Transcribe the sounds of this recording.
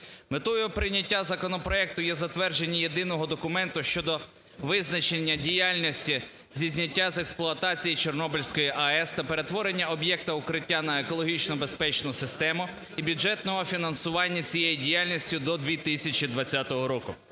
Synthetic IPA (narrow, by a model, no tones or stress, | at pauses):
met̪ɔjʊpɾɪnʲɐtʲːazɐkɔnɔpɾɔɛk̚t̪ʊjɛzɐt̪ʋɛrd͡ʒe̞nʲːije̞d̪ɪnɔɦɔd̪ɔkʊmɛnt̪ʊʃt͡ʃɔd̪ɔ | ʋɪznɐt͡ʃenʲːɐdʲijalʲnʲisʲtʲi | zʲizʲnʲɐtʲːazeksplˠʊɐt̪ɑt͡sʲijit͡ʃɔrnɔbɪlʲsʲkɔjiʔɐɛst̪ɐpeɾe̞t̪ʋɔɾe̞nʲːɐɔbjɛk̚t̪ɐʊkɾɪtʲːanɐekɔlˠɔɦʲit͡ʃnɔbe̞spɛt͡ʃnʊsɪst̪ɛmʊ | ibʲjʊd͡ʒɛt̪nɔɦɔfʲinɐnsʊʋɑnʲːɐt͡sʲijejidʲijalʲnʲisʲtʲʊd̪ɔd̪ʲʋʲit̪ɪsʲɐt͡ʃid̪ʋɐt͡sʲːat̪ɔɦɔɾɔkʊ